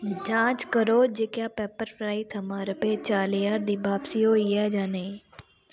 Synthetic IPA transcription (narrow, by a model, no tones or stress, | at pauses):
d͡ʒãːt͡ʃkəɾoːɾd͡ʒeːkjaːpɛːpəɾfʰɾaːit̪ʰɐmaːɾəpeːt͡ʃaːlejaːɾd̪ibaːpsijoːijaːd͡ʒaːneː